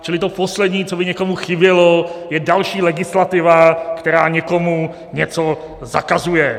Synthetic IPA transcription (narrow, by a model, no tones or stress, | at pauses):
t͡ʃɪlɪt̪oposlɛdɲiːt͡sobɪɲɛkomuxɪbjɛlojɛdalʃiːlɛɡɪslat̪ɪvakt̪ɛɾaːɲɛko̞mu | ɲɛt͡so | za̰kazujɛ